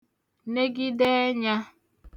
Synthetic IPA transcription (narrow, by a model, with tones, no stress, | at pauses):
ne˦ɡi˦dɛ˦ɲa˦